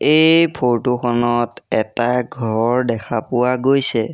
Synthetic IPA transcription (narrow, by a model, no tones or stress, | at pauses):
ejpʰoɹtukʰɔnɔtɛtaɡʱɔɹdɛkʰapʊwaɡojsɛ